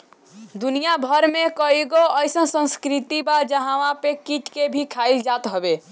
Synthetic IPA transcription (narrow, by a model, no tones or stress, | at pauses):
d̪unijabʱəɾmekəɦiɡoəjsə̃nsə̃nskɾit̪ibad͡ʒəɦãʋãpekiʈkebʱikʰaild͡ʒat̪ɦobe